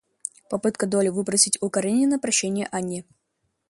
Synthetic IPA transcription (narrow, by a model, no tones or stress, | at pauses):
pɐpɨt̪kəd̪olʲɪvɨbɾəsʲɪtʲʊkɐɾenʲɪnəpɾɐɕːænʲɪjəʔanʲːɪ